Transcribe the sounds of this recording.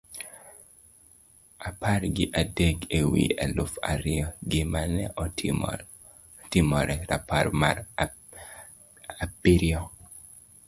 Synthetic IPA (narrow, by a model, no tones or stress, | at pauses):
aparɡɪʔadeɡewḭalʊfa̰ɾɪɔɡɪmanɛ̰ | timɔɾɛɾa̰parmaɾ | apiɾjɔ